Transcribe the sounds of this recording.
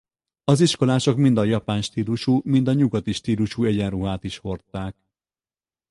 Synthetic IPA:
ɒziʃko̞laːʃo̞kmind̪ɒjɒpaːnʃt̪iːluʃuːmind̪ɒɲuɡɒt̪iʃt̪iːluʃuɛɟɛnruɦaːt̪iʃho̞rt̪ːaːk̚

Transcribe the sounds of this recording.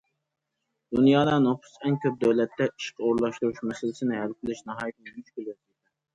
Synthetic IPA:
d̪̥unjɑːd̪ɑnopʰʊ̥sɛnkʲʰøp̚d̪øwlɛt̪ʰːɛi̥ʃqʰoɾlˠɑʃt̪uɾuʃmɛsɪlɪsɪnɪɦælkʰɪlɪʃnɑɦɑːjit̪ʰɪnɪjyt͡ʃkʲylˠjɑzid̪ɛ

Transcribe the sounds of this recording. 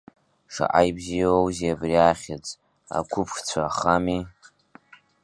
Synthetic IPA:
ʂa̰ʔajbziowziabriaχʲɪt͡sʼ | a̰kʷʰʊpʰt͡sʷʰaχami

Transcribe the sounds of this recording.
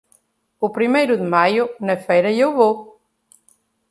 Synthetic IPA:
ʊpɾimejɾʊðemajʊnefɛjɾɐjewβo

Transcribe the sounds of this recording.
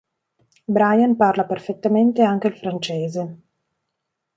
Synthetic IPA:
bɾajanparlaperfet̪ːament̪eaŋk̟eilfɾant͡ʃeːze

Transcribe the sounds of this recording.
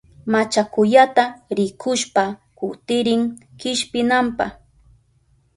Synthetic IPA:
mat͡ʃakʊʎat̪aɾɪkʰʊʃpa | kʊt̪ɪɾɪŋ | kɪʃpɪnampa̰h

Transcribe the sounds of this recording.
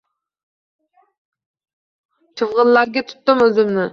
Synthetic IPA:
t͡ʃʰɨvʁənˠlˠɑɾɡʲɛt̪ʰu̥t̪ːɨmøzɪmnɪ

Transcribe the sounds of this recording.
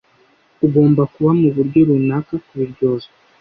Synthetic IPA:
uɡo̞ːmbakuβamuβuɾɟo̞ɾunaːkakuβiɾɟo̞ːzo

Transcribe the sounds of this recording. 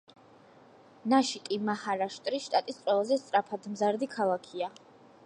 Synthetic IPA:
naʃikʼimaχaɾaʃt̪ʼɾiʃt̪ʼat̪ʼist̪sʼwɛlˠazɛst̪sʼɾapʰad̪mzaɾd̪ikʰalˠakʰia

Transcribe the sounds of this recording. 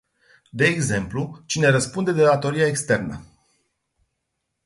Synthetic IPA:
d̪e̞ːɡze̞mplut͡ʃine̞ɾəspund̪e̞d̪e̞d̪at̪o̞ɾiaekst̪e̞rnə̰

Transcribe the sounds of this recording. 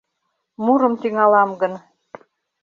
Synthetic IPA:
muɾəmt̪yŋɑlɑmɡə̆n

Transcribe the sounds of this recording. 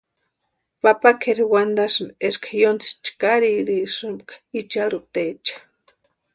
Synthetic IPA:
papakʰeɾwand̪asmeskʰajont̪t͡ʃkaɾiɾisɨmkḁit͡ʃaɾut̪et͡ʃḁ

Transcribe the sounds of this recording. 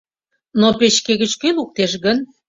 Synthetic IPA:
nopet͡ɕkeɣət͡ɕkøluk̚t̪eʃɣən

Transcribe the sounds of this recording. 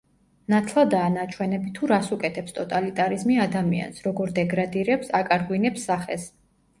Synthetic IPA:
nat̪ʰlˠad̪aːnat͡ʃʰwɛnɛbit̪ʰːuɾasukʼɛt̪ʰɛpst̪ʼɔt̪ʼalit̪ʼaɾizmiad̪amia̰nsɾɔɡɔɾd̪ɛɡɾad̪iɾɛpsakʼaɾɡwinɛpsːaχɛ̰s

